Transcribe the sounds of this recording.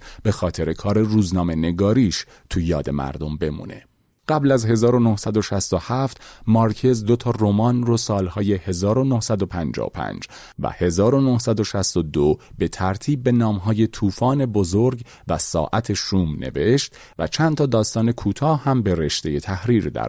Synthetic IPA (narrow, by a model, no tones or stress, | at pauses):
b̥e̞xɒːt̪ʰe̞ɾe̞kʰɒːɾe̞ruːznɒːme̞ne̞ɡɒːɾiːʃ | t̪ʰujɒ̰ːd̪e̞mæ̰ɾd̪o̞mbe̞mṵːne̞̰ | ɢ̥æblæzɦe̞zɒːɾo̞nohsæd̪o̞ʃæst̪ohæft̪mɒɾcʰe̞zd̪ot̪ʰɒːromɒːnrosɒːlhɒːje̞he̞zɒːɾo̞nohsæd̪opʰænd͡ʒɒ̰ːo̰pʰæ̰nd͡ʒ | væ̰he̞zɒːɾo̞nohsæd̪o̞ʃæst̪od̪obe̞t̪ʰæɾt̪ʰiːb̚ːe̞nɒːmɦɒːje̞t̪ʰuːfɒːne̞bozoɾɡ | væsɒ̰ːʔæt̪ʰe̞ʃuːmne̞̰ve̞ʃt̪ | væ̰t͡ʃʰænt̪ʰɒːd̪ɒːst̪ɒːne̞kʰuːt̪ʰɒːhhæmbe̞ɾe̞ʃt̪e̞je̞t̪ʰæhɾiːɾd̪æ̰ɾ